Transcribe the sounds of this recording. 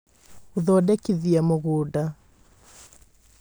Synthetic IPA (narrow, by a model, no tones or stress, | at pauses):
oðɔdɛkiðiamoɣuːda